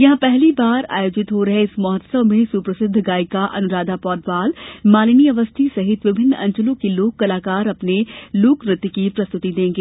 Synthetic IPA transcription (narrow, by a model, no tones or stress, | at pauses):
jɐɦãpɛɦlibaːɾa̰ːjoːd͡ʒɪt̪ɦoɾɐɦeɪsmɔːɦət̪səʋmẽsuːpɾəsɪd̪ʱːɡaːɪkaʔɐ̰nʊɾaːd̪ʱapɔːd̪ʋaːlmaːlɪniɐʋəst̪ʰisɐɦɪt̪ʋɪbʱɪnːɐ̃ɲt͡ʃəlõkeloːkːɐlaːkaːɾɐpnelʊkɾɪt̪ːkipɾɐst̪ʊt̪id̪ẽːŋɡeː